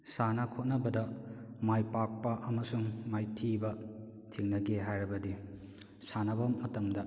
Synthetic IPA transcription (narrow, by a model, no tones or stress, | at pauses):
sanɐkʰot̚nɐbɐdɐmajpak̚pɐʔɐmɐsuŋmajtʰibɐ | tʰiŋnɐɡeɦajɾɐbɐdi | sanɐbɐmːɐtɐmdɐ